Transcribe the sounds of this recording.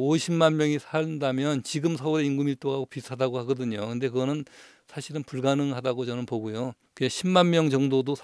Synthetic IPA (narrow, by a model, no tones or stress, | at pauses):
oɕʰimmanmjʌŋisʰandamjʌnt͡ɕiɡɯmsʰʌuɾe̞iŋɡɯmiɭt͈oɡaɡopitʰadaɡohaɡʌdɯɲokɯnde̞k̬ɯɡʌnɯn | sʰaɕʰiɾɯnpuɭɡanɯŋhadaɡot͡ɕʌnɯnpoɡujokɯeɕʰimmanmjʌŋd͡ʑʌŋdodosʰ